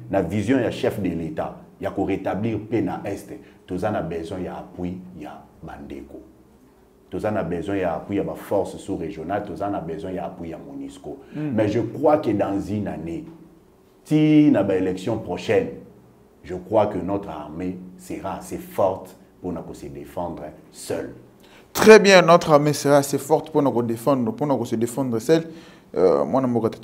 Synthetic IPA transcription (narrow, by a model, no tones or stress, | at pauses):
navizjɔ̃jaʃɛfdeletajakoʁetabliʁpenaʔɛsttozanabɛzɛ̃jaapwijabandḛko | tozanabezwɛ̃jaapwijabafɔʁssuʁeʒjonaltozanabɛzwɛ̃jaapwijamoniskomɛʒəkʁwakedãzinane | tinabaelɛksjɔ̃pʁoʃɛn | ʒəkχwakənot̪χa̰ʁmesəʁaasefɔʁt | ponakosədefɑ̃dʁə | sɛ̰l | tχɛbjɛ̃notχaʁmeseʁaːsefɔʁt̪ponakodefɑ̃d̪ʁəponakosədefɑ̃nd̪ʁəsɛl̰ | mwʔanambokat